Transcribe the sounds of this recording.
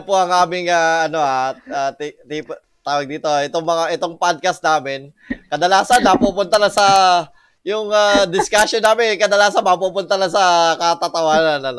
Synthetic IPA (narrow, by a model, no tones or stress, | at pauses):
poʔɐŋʔaːmɪŋaːʔɐno̞ʔaaːt̪t̪ip | t̪aːwɐɡ̚d̪iːt̪o̞ʔɛt̪oŋmɐŋaʔɛt̪oŋpad̪̚kɐst̪naːmɪn | kɐd̪ɐlaːsɐnːɐpupʊnt̪ɐnɐsɐ | jʊŋad̪ɪskaʃjonːaːmɪnɛkɐd̪ɐlaːsɐnmɐp̬upʊnt̪ɐnɐsɐkɐt̪at̪ɐwaːɾɐnɐn